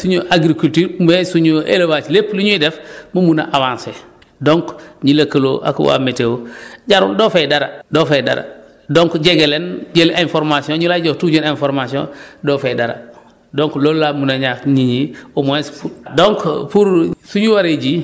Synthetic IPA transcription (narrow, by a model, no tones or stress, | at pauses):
suɲoʔaɡɾikultiːɾumesuɲuʔḛlawat͡ʃlepliɲuidefmumuna̰ʔawãnse | doŋkɲilakəlo̰ʔa̰kwa̰metewoɟaɾṵndofedaɾa̰dofeda̰ɾa̰ | doŋkɟeɡelenɟelainfoɾmasiõnɲulad͡ʒotud͡ʒoninfoɾmasiõ̰ndofedaɾa̰ | doŋklolːamunaɲakɲiɲiumoespudoŋkpuɾsuɲuwaɾeɟi